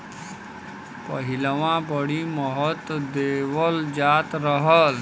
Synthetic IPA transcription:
pəɦɪləʋãbəɽiməɦət̪d̪eːʋəld͡ʒaːt̪ɾəɦəl

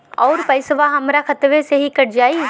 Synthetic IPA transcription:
ɔːɾpɐɪsʋaɦɐmɾakʰɐt̪ʋeseɦikɐɽ̤d͡ʒaːi

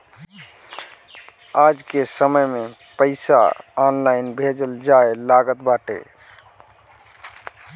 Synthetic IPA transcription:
aːd͡ʒkesəməjmẽ | pəɪsa̰ɔːnlaːɪnbʱed͡ʒəld͡ʒaelaːɡət̪baːʈḛ

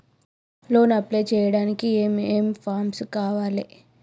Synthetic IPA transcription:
lo̞ːnɐpleːt͡ʃɛːjɐɽaːnikieːmeːmpʰaːɾmskaːʋaːli

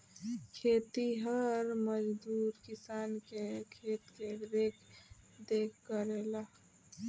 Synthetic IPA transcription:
kʰet̪iɦəɾməd͡ʒd̪uɾkisaːnkekʰet̪keɾekʰ | d̪ekkəɾela

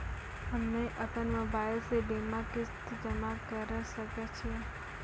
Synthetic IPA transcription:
ɦəmneʔəpənmoːbaːɪlseɖemãkɪst̪d͡ʒəmãkəɾʃəket͡ʃʰie

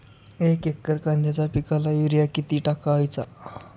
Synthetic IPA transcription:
ekekːəɾkãnd̪ʱjat͡sapikalajuɾijakit̪iːʈakaəjt͡sa

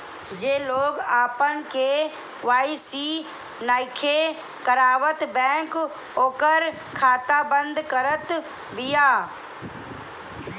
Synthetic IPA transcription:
d͡ʒeːloːɡaːpənɪ̆kʰeː | ʋaːisi | naːɪkʰe | kəɾaːʋət̪bɛ̃ːŋk | oːkəɾ | kʰaːt̪abə̃nd̪kɐɾət̪ | ʋɪjaː

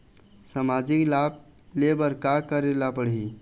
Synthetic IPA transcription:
samad͡ʒiklab̚ | lebəɾkakəɾelapəɽi

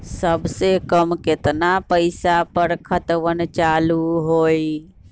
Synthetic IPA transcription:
səbsekəmket̪napəɪsapəɾkʰət̪ʋənt͡ʃaluɦoi

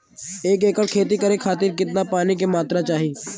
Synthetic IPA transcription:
eːkeːkəkʰeːt̪̬ikəɾekʰaːt̪ɪɾkɪt̪napaːnikemaːt̪ɾat͡ʃaːɦiː

